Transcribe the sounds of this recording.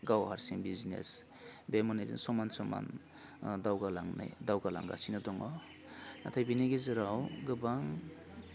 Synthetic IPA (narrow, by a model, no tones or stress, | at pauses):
ɡawhaɾsiŋbiznḛs | bemɔnadḭnsɔmansɔma̰n | dawɡalaŋna̰jdawɡala̰ŋɡa̰sinɔdɔŋɔ | natʰajbineɡezɯɾawɡɯbaŋ